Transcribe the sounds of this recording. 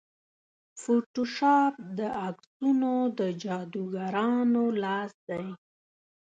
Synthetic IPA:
foʈoʃɑp̚d̪əaksunod̪əd͡ʒɑd̪uɡaɾɑnolɑsd̪aj

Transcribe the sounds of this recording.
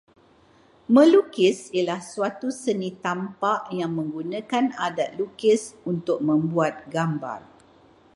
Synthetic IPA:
mə̃lukɪsilahsuat̪usənit̪ampaʔjaŋmə̃ŋɡunãkanadat̪̚lukɪsunt̪ʊk̚mə̃mbuat̪̚ɡamba̰r

